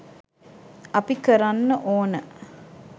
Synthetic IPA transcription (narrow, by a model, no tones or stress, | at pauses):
ɐpikəɾɐnːəʔoːnə